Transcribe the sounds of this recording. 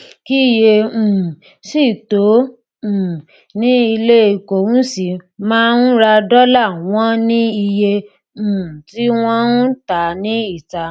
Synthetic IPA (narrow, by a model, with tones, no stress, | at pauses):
ki˦i˦˧je˧ũ˨ | si˦˨tõ˨˦˨ | nĩ˦i˧le˦i˨ko˨ñ̩˦si˨mãː˦n̩˦ɾa˧dɔ˦la˦˨w̃ɔ̃˦nĩ˦i˧jẽ˧˨ | ti˦w̃ɔ̃˦n̩˦ta˨nĩ˨˦i˦˨ta˧